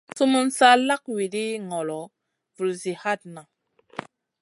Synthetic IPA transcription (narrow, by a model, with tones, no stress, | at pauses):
su˦mu˦nsa˦la˦k̚wi˨di˦ŋɔ˨lɔ˨ | vu˨lzi˨ha˦t̚na˨